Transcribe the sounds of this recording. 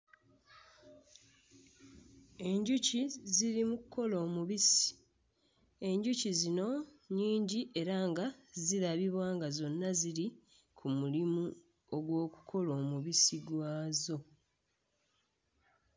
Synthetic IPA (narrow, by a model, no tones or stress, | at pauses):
e̞ɲɟuciziɾimukuko̞lo̞ːmuβisi̥ | e̞ɲɟucizino̞ɲiːɲɟiʔe̞ɾaːŋɡaziɾaβiβwaːŋɡazo̞nːaziɾi | kʰumulimu | o̞ɡwo̞ːku̥kʰo̞lo̞ːmuβisiɡwaːzo̞